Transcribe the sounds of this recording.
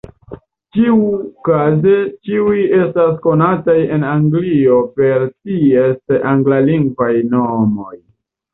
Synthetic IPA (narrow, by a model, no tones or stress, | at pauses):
t͡ʃiukaze̞t͡ʃiuje̞stasko̞nataje̞naŋɡlio̞pe̞ɾtie̞sʔaŋɡlaliŋɡvajnomo̞j